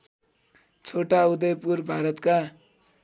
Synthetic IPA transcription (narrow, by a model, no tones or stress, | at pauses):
t͡sʰoʈaud̪ʌjpurbʱaɾʌt̪ka